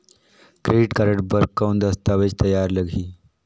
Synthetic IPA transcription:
kɾeːɖiʈkɐɾəʈbəɾɡ̚kːɐwnd̪ɐst̪aːʋed͡ʒt̪ɐjaːɾləɡʱiː

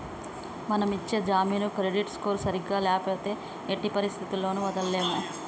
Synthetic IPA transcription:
mɐnɐmit͡ʃːe̞ːd͡ʒaːmiːnukɾe̞ɖiʈskoːɾsɐɾiɡːaːlɛːpoːt̪e̞ː | eʈːipɐɾist̪ʰit̪ilːo̞ːnuʋɐd̪ɐlːeːmu

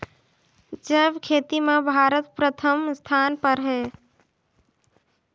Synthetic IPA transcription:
d͡ʒəbkʰeːt̪imẽbʱaːɾət̪̚pɾət̪ʰəmst̪ʰaːnpəɾɦɛ

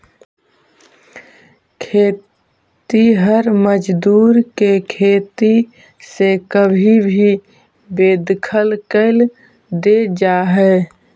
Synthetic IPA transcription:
kʰe | t̪iɦəɾməd͡ʒd̪uːɾkekʰet̪i | sekəbʱibʱi | bed̪kʰəlkəɪl | d̪ed͡ʒaɦɛ

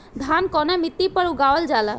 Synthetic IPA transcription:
d̪ʱankɔnɛmit̪ːipəɾuɡawəld͡ʒala

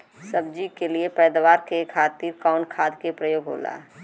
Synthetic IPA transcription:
sɐbd͡ʒikeliepɛːd̪ʋaːɾkekʰaːt̪iːɾkaːʊnkʰaːd̪kepɾɐjoːɡɦo̰ːla̰ː

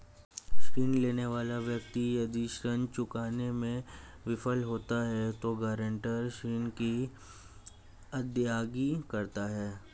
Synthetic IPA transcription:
ʃɾiːnleːneʋaːlaʋjɐkt̪ijad̪iːʃɾənt͡ʃʊkaːnemẽ | ʋɪfəlɦoːt̪aɦɛt̪oɡaːɾə̃ɳʈəɾʃiːnki | ɐd̪jaːɡikɐɾt̪aɦɛː

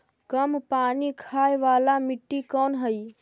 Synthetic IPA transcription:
kəmpaːnikʰaːjʋaːlamɪʈːikɔːnɦəi

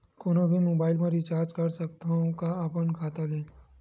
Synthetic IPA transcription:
koːnobʱimoːbaːɪlmẽɾɪt͡ʃaːɾd͡ʒkɐɾsɐkt̪aɦõkaapənkʰaːt̪aleː

